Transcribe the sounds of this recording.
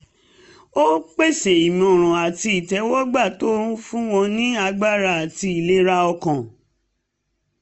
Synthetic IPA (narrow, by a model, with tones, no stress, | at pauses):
o˦k͡pe˦˨se˨i˨mĩ˨o˨ɾ̃ɔ̃˨a˨ti˧i˨tɛ˨˧˦wɔ˦ɡ͡ba˦˨to˦ɾũ˦fũ˦w̃ɔ̃˧nĩ˦a˧ɡ͡ba˦˨ɾa˦˨a˨ti˧i˨le˦ɾa˧ɔ˧kã˨